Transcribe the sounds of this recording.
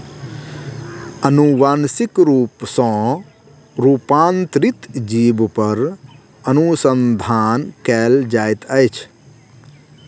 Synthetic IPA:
ənuʋaːnsikɾuːpsɔ̃ | ɾuːpaːnt̪ɾit̪d͡ʒiːbpəɾ | ənusənd̪ʱaːnkɛːld͡ʒaːjt̪əjt͡ʃʰ

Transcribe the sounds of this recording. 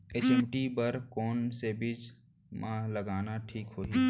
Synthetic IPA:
eːt͡ʃɛ̃ːmʈibəɾkɔːnsebɪd͡ʒ | mãləɡaːnaʈʰiːkɦoːiː

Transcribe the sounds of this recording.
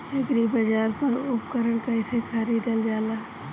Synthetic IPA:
eɡɾibɐd͡ʒaːɾpɐɾʊpkəɾəɳ̃kaɪsekʰaːɾid̪əld͡ʒaːlaː

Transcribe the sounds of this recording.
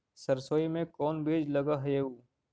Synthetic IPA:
sɐɾsoːimẽkɔːnbeːd͡ʒlɐɡaɦɐeuː

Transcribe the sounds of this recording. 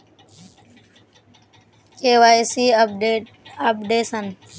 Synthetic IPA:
keːwaːjsiː | əpɖeːsən

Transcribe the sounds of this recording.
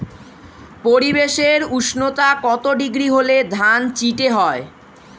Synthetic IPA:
poɾibeʃeɾuʃnot̪akɔt̪oɖiɡɾiɦoled̪ʱant͡ɕiʈeɦɔe

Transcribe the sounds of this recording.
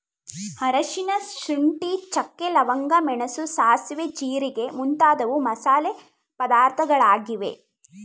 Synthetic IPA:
hɐɾɐʃinɐʃɾiɳʈit͡ʃɐkːelɐʋɐŋɡɐmɛɳɐsusaːsʋet͡ʃiːɾiɡe̞munt̪aːd̪ɐʋumɐsaːle | pɐd̪aːɾt̪ʰɐɡɐɭaːɡiʋḛ

